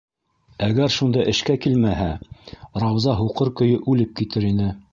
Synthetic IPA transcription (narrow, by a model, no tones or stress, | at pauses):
æɡæɾʃund̪ɑʔɘ̆ʃkækilmæɦæɾɑwzɑɦuqɤɾkɵ̆jɵʔʉlɘp̚kit̪ɘɾinɘ